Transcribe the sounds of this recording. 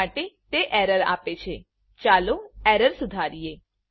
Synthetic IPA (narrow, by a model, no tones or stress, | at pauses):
aʈet̪eʔɛɾəɾa̰pet͡ʃʰe | t͡ʃaloɛɾəɾsud̪ʱaɾije